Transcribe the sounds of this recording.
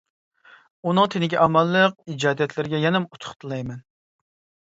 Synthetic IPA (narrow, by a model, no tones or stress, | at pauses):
unɨŋt̪ʰenɪɡʲɛʔɑmɑlˠːəq̚id͡ʒɑːd̪ɛt̪ʰlɪɾɪɡʲɛjɛnɛmut̪ʰʊ̥χt̪ʰɨlˠɑjmɛn